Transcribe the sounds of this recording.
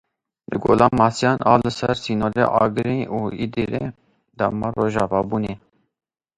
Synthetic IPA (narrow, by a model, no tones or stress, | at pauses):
lɨɡo̰ːlɑːmɑːsijɑːnʔɑːlɨsɛɾsiːnoːɾḛʔɑːɡɨɾiuid̪iɾḛ | d̪ɑ̰mɑːroːʒɑːvɑːbuːne